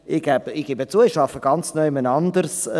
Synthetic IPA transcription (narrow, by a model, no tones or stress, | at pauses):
ɪɡ̥ɛbəɪɡ̥ɪbət͡suəɪʃɑfəɡ̥ɑnt͡snœʏɪmənɑndəɾs